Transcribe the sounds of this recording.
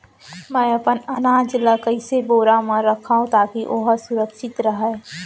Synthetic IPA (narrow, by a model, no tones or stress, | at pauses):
mɛ̃ːɐpənɐnaːd͡ʒləkəɪseboːɾamə̃ɾɐkʰaːɦũt̪aːkiʔoɦsʊɾəkʃɪt̪ɾɐɦɛː